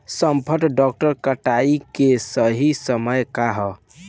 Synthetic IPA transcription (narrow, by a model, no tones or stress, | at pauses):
səmpʰəʈɖɔk̚ʈəɾkəʈaikesəɦisəməjkaɦɔ